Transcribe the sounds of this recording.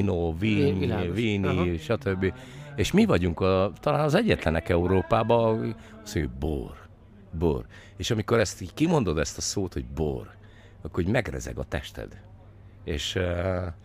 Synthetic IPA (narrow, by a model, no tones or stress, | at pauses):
noviːɲviːniʃɒt̪øbːieːʃmivɒɟuŋkɒt̪ɒlaːnɒzɛɟːɛt̪lɛnɛkɛuɾoːpaːbɒ | ɒsoj̰bo̰ːr | bo̰ːr | eːʃɒmiko̞ɾɛst̪kimo̞nd̪o̞d̪ɛst̪ɒsoːt̪hoɟ̚bo̰ːr | ɒkːooɟmɛɡnɛ̰zɛ̰ɡɒ̰t̪ɛ̰ʃt̪ɛ̰d̪ | eːʃ